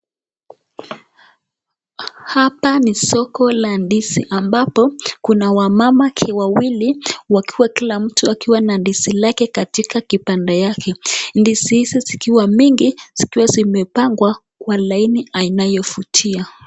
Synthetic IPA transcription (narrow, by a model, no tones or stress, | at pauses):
hapanisɔkɔlandisiʔambapɔkunawamamakʰɛwawiliwakiwakilam̩tuakiwanandisilakɛkatikakipandɛjakʰɛndisihizizikiwamiŋɡiz̥ikiwazimɛpaŋɡwa | kwalainiainajɔfutʰia